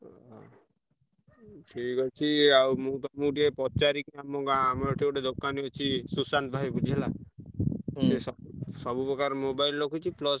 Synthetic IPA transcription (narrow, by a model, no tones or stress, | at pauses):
ʈʰikɔt͡ʃʰiawmut̪ɔmũʈiepɔt͡ʃaɾikamɔɡaːmɔɾɔʈʰioʈed̪okaniɔt͡ʃʰisusant̪bʱaibuliɦela | sesɔsɔbupɾɔkaɾmobailːokʰut͡ʃʰiplɔs